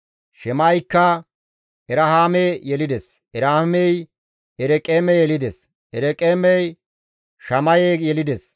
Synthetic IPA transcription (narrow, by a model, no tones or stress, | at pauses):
ʃɛmɐjkːɐ | ʔɛɾɐhaːmeːjɛlɪd̪ɛs | ɛɾaːmɛj | ɛɾɛkʼeːmɛjɛlɪd̪es | ʔɛɾɛkʼeːmɛj | ʃɐmɐjeːjɛlɪd̪es